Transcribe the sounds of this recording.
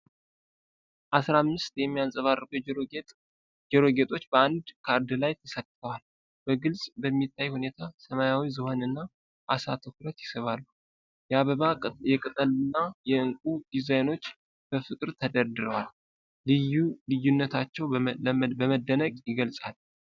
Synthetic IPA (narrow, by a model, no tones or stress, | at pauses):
ʔasɾamːɨst̪jɛmːijansʼəβarːəku | d͡ʒɛɾo̞ɡet̪ʰʼo̞t͡ʃːbəand̪kʰaɾd̪ɨlajt̪ʰəsək̪̚ːt̪ʰəwal | b̥əɡɨlsʼbəmːit̪ʰːajhune̞t̪ʰasəmajawizɨhonɨnːa | ʔasat̪ʰɨkɾət̪jɪsəβalːu | jɛaβəβajɛkʼɨt̪ʼəlɨnːajɛɨŋkʼud̪̥izajno̞t͡ʃː | b̥əfɨkʼɨɾt̪ʰəd̪əɾd̪ɨɾəwalː | ɨjulɨjːunːət̪ʰat͡ʃːɛwbəməd̪ːənəɡʼjɪɡəlsʼal